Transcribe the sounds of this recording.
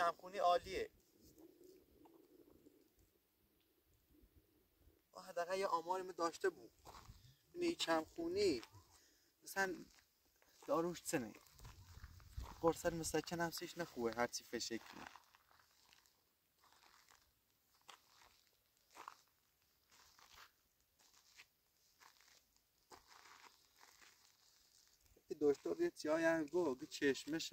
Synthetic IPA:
æmxuːniːʔɒːlie | ɔ̰ːhæd̪ːæɣæljeʔɒːmɒːɾimed̪ɒːʃt̪ebuːd̪ | ineit͡ʃʰæmxuːni | mæsæn | d̪̥ɒːɾuːʃt͡sʰenḛ | xoɾsæt̪mesæcʲʰenæmsiʃnæxuːbeɦæɾt͡ʃʰifeʃecʰnḛ | k̪id̪oʃt̪oɾjet͡s̪ʰiɔːjanɡoɡit͡ʃʰeʃmeʃ

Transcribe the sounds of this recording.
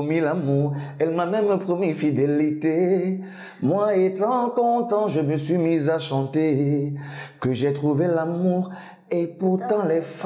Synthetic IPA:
milamuʁɛlmamɛmpχɔmifid̪elit̪e | mwaet̪ɑ̃kɔ̃t̪ɑ̃ʒəməsɥimizaʃɑ̃t̪e | kəʒɛt̪χuvelamuʁ | epuʁt̪ɑ̃lɛf

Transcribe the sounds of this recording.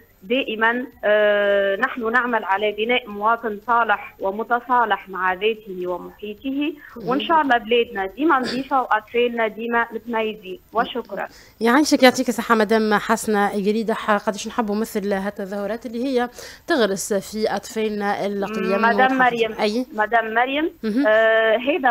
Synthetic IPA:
d̪æːʔɪmæn | nɪħnunɪʕmalʕalæbɪnɛːʔmʊwɑːt̪ˤɨnsˤɑːlɪħwɪmʊt̪ɑsˤɑːlɪħmaʕaðɛːt̪ɪiwɪmʊħiːt̪hiwɪnʃæːʔɑlˤːɑːblɛːd̪næd̪iːmænd̪ˤiːfawʔɑt̪ˤfɛːlnæd̪iːmæmɪt̪mæjːziwɪʃʊkɾˤɑ̰n | jaʕiːʃɪkjoʕt̪ˤiːksˤɑħːamæd̪æːmħasnaɡæd̪iːd̪aħqɑd̪iːʃnħɪbːumɪθlɦæt̪ːæðɑːhʊɾˤɑːt̪ɪlːihɪjːæt̪ɪɣɾɪsfiʔɑt̪ˤfɛːlnæɪlqjːæmːæd̪æːmːɑɾjamʔæjmæd̪æːmːɑɾjamɦɦæːd̪æ

